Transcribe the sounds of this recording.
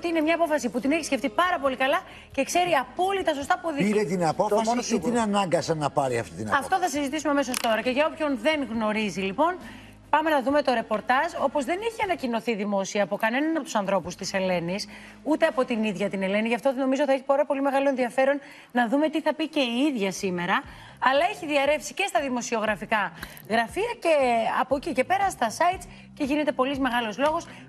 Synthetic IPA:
ot̪iine̞mɲɐːpo̞fɐsiput̪ine̞çi̥sceft̪ipɐɾɐpo̞likɐlɐ | ce̞kse̞ɾiɐpo̞lit̪ɐso̞st̪ɐpuoðiiɾet̪inɐpoɐst̪inɐnɐŋɡɐsɐnɐpɐɾiɐ̰ft̪it̪ḭnɐ̰ɐft̪o̞θɐsizit̪isumeɐme̞so̞st̪o̞ɾɐce̞ʝɐo̞pço̞nðe̞ŋɣno̞ɾizilipo̞n | pɐme̞nɐðume̞t̪o̞ɾe̞po̞ɾt̪ɐʒo̞po̞zðe̞niçiɐnɐcino̞θiðimo̞siɐːpo̞kɐne̞nɐnɐpot̪usɐnθɾo̞pust̪ise̞le̞nis | ut̪eɐpo̞t̪iniðʝɐt̪ine̞le̞niʝɐft̪oðeno̞mizot̪θɐeçipoɾɐpo̞lime̞ɣɐlo̞enðiɐfe̞ɾo̞n | nɐðume̞t̪iθɐpice̞iiðʝɐsime̞ɾɐː | lɐeçiðiɐɾe̞fsi̥ce̞st̪ɐðimo̞sio̞ɣɾɐfikɐ | ɣɾɐfiɐce̞ɐpo̞cice̞pe̞ɾɐst̪ɐsɐjt̪s | ce̞ʝine̞t̪e̞po̞lizme̞ɣɐlozlo̞ɣo̞s

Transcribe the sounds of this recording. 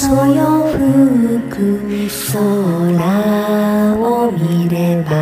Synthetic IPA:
sojoɸɯɯkɯsoɾa | omʲiɾeba

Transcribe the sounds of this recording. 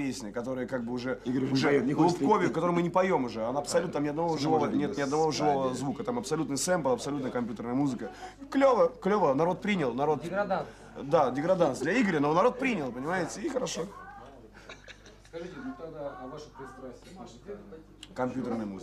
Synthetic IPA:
esʲnʲəəkɐt̪o̞ɾɨjəkaɡ̚bɨʊʐɛiɡɾʊʐɛllˠʊpko̞vʲɪʊkɐt̪oɾɨmɨnʲɪpɐjo̞mʊʐɛɐnaɐpsɐlʲut̪amnʲɪɐd̪nɐvoʐɨvo̞vənʲet̪nʲɪɐd̪nɐvo̞vʐɨvo̞vəzvukət̪amɐpsɐlʲut̪nɨjsɛmpəlˠɐpsɐlʲut̪nəjəkɐmʲpʲjut̪ərnəjəmuzɨkəklʲovəklʲo̞vənɐɾo̞t̪̚pɾʲinʲɪlˠnɐɾo̞t̪ɡɐd̪a | d̪adʲɪɡɾɐd̪ant̪sd̪lʲɐiɡɾʲɪnonɐɾo̞t̪̚pɾʲinʲɪlˠpənʲɪmajɪtʲəixəɾɐʂo | skɐʐɨtʲɪd̪avaʂəpɾʲɪt̪st̪ɾasʲtʲ | kɐmʲpʲjut̪ərnəjəmṵz

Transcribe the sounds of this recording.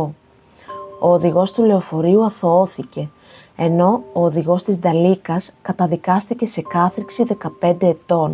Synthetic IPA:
oːðiɣo̞st̪ule̞ofo̞ɾiuɐθo̞oθice̞ | eno̞oːðiɣo̞st̪izd̪ɐlikɐskɐt̪ɐðikɐst̪ice̞se̞kɐθɾiksiðe̞kɐpe̞nd̪e̞ːt̪o̞n

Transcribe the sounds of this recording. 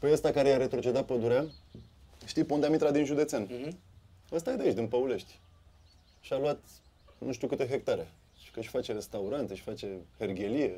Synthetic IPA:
pəjəst̪akaɾejaɾe̞t̪ɾo̞t͡ʃe̞d̪at̪̚pəd̪uɾea | ʃt̪ijpond̪eamit̪ɾad̪inʒud̪e̞t̪sen | əst̪ajed̪eaet͡ʃd̪inpəule̞ʃt̪ʲ | ʃialuat̪ | nuʃt̪iukɨt̪e̞ɦe̞k̚t̪aɾe̞ | ʃi̥kəʃfat͡ʃe̞ɾe̞st̪auɾant̪eʃʲfat͡ʃe̞herɡʲe̞lije̞

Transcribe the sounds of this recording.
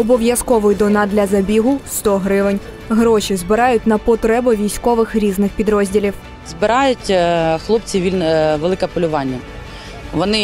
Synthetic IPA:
ɔbɔʋjɐskɔʋʊjd̪ɔnɑd̪lʲɐzɐbʲiɦʊst̪ɔɦɾɪʋɪnʲ | ɦɾɔʃizbɪɾɑjʊtʲnɐpɔt̪ɾɛbʊʋʲijsʲkɔʋɪxɾʲiznɪxpʲid̪ɾɔzʲdʲilʲiw | zbɪɾɑjʊtʲxlˠɔp̚t͡sʲiʋʲilʲnʋelˠɪkɛpɔlʲʊʋɑnʲːɐ | ʋɔnɪ

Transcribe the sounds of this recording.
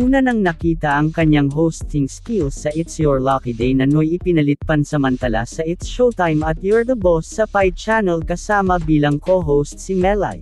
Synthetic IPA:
ʔuːnɐnɐŋnɐkiːt̪ɐʔɐŋkɐɲːaŋɦowst̪ɪŋskilsːɐʔɪt̪sjɔɹlakid̪ɛjnɐnojɪpɪnɐlɪt̪̚pɐnsɐmɐnt̪ɐla̰sɐʔɪt̪sʃowt̪ajmɐt̪jɔɹd̪əbosːɐpajt͡ʃanɛlkɐsaːmɐbiːlɐŋkoɦowst̪̚simɛla̰j

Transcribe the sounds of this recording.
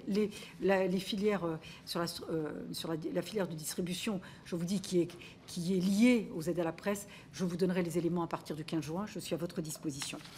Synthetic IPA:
lelalefiljɛʁsyʁlasøsyʁlalafiljɛʁd̪əd̪ist̪χibysjɔ̃ | ʒ̥əvud̪ikʲʰiɛ | kʲʰiɛlijeozɛd̪alapχɛs | ʒəvud̪ɔnʁɛlezelemɑ̃apaʁt̪iʁd̪ykʲɛ̃zʒɥɛ̃ʒəsɥiavɔt̪χəd̪ispozisjɔ̃

